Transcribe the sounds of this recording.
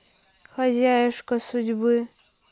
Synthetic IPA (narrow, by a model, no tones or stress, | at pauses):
xɐzʲajʂkɐsudʲbɨ